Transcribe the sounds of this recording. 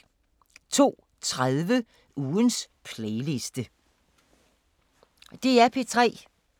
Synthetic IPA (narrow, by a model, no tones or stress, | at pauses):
t͡sʰo̝̰ː | t͡sʰʁaðˠʋə | uːns | pʰleɪle̝sd̥ə | d̥e̝æpʰe̝t͡sʰʁɛ̰ː